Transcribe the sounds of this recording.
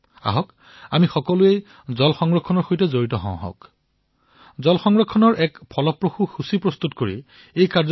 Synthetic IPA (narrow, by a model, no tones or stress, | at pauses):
a̰ɦɔk | amixɔkɔluej | zɔlxɔŋɡɹɔkʰːɔnɔɹxojtɛzoɹitɔɦɔ̰̃ɦɔ̰̃k | zɔlxɔŋɡɹɔkʰːɔnɔɹʔɛkpʰɔlɔpɹoxuxusipɹɔst̪utkoɹḭ | ejkaz